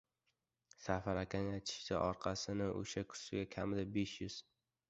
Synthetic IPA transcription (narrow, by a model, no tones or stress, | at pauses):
safaɾakʲʰanjat͡ʃʰɪ̥ʃt̪a̰ʔɒɾqʰɑsɪnɪʔo̰ʃakʰʊ̥sɪɡʲakʲʰamɪd̪abeʃjʊz̥